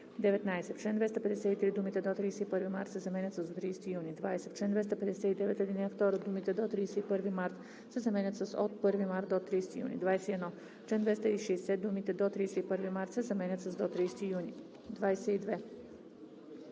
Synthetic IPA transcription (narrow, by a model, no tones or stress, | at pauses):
d̪eʋet̪naeset̪t͡ʃend̪ʋest̪aped̪eset̪it̪ɾiːd̪umit̪ed̪ot̪ɾiset̪ipɨɾʋimaɾt̪sezamenʲat̪sasot̪ɾiːset̪ijuːnid̪ʋaːjeset̪t͡ʃɛnd̪vest̪aped̪eset̪id̪eʋet̪jed̪inft̪oɾod̪uːmit̪ed̪ot̪ɾiːset̪ipɨɾʋimaɾt̪ | sezamenʲat̪sasod̪prʋimaɾt̪d̪ot̪ɾiːse̥t̪ijṵːnḭd̪ʋaːjest̪jed̪no | t͡ʃend̪ʋest̪aiʃeeset̪d̪umit̪ed̪ot̪ɾiːset̪ipɨɾʋimaɾt̪sezamenʲat̪sasd̪ot̪ɾiːset̪ijuːni | d̪ʋajeset̪id̪ʋe